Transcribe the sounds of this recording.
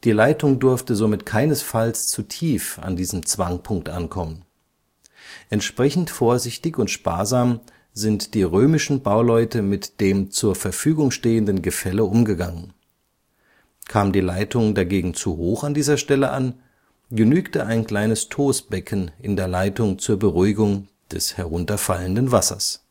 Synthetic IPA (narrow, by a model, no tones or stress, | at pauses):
d̥iːlaɪtʊŋdʊɐftəzomɪtkʰaɪnəsfalst͡sutʰiːfa̰ndiːzəmt͡sv̥aŋpʰʊŋk̚tʔa̰nkʰɔmən | ʔɛntʃpʁ̥ɛçn̩tfoːɐzɪçtɪçʊntʃpa̰ːɐzaːm | zɪntd̥iːʁøːmɪʃn̩baʊlɔʏtəmɪtd̥eːmt͡suːɐfɛɐfyːɡʊŋʃteːəndənɡəfɛləʔʊmɡəɡaŋən | kʰaːmdiːlaɪtʰʊŋdaɡeːɡŋ̩t͡suhoːxandiːzɐʃtɛləʔa̰n | ɡənyːktəʔaɪnkl̥aɪnəstʰoːsb̥ɛkʰnʔɪndeːɐlaɪtʊŋt͡suːɐbəʁuɪɡʊŋ | d̥ɛshɛɐʁʊntɐfaləndənvasɐ̰s